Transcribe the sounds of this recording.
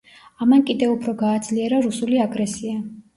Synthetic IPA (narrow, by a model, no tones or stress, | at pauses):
amankʼid̪ɛvupʰɾɔɡaːd̪zliɛɾaɾusuliaɡɾɛsia